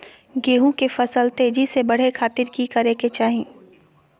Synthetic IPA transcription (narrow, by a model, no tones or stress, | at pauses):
ɡeːɦũkefɐsəlt̪eːd͡ʒisebɐɽ̤ekʰaːt̪ɪɾkikɐɾeket͡ʃaːɦẽː